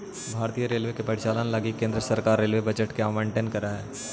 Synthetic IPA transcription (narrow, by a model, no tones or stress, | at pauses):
bʱaːɾt̪ijəɾeːlʋekepɐɾɪʃaːlanelaɡikːẽːnd̪ɾəsɐɾkaːɾːeːlʋebɐd͡ʒəʈkeaːmẽːɳʈeːnkɐɾaɦɛː